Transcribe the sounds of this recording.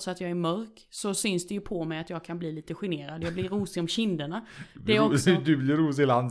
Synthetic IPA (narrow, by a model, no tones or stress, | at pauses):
sɔat̪jɑːɡæɾmœɾk | sɔsʏnsd̪ɛjɵpʰɔmɛjat̪jɑːɡ̚kʰanbliːliːt̪əɧɪneːɾad̪jɑːblɪɾuːsɪɔmɕɪnd̪əɳad̪ɛæɾɔsɔd̪ɵblɪɾuːs̬ɪland̪